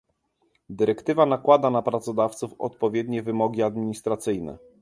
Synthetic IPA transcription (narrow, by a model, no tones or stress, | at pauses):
d̪ɘɾɛkt̪ɘvanakwad̪anapɾat̪sɔd̪aft̪sufɔ̰t̪pɔvʲjɛd̪ɲɛvɘmɔɡʲiad̪mʲiɲist̪ɾat̪sɘjnɛ̰